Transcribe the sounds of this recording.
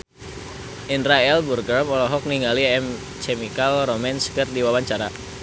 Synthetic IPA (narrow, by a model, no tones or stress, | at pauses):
ʔindɾaɛlburɡərmɔlɔɦɔk̚niŋɡaliɛm | t͡ʃemikalromɛnskərdiwawaɲt͡ʃaɾa